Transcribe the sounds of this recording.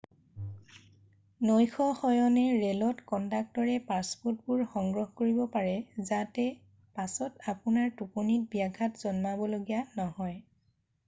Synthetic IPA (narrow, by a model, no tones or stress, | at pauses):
nojxʰɔxɔjɔnɛɹɛlɔtkɔntak̚tɔɹɛpaspɔtbʊɹxɔŋɡɹɔɦkoɹibɔpaɹɛzatɛ | pasɔtapʊnaɹtuponit̚biaɡʱatz̥ɔnmabɔloɡijanɔɦɔj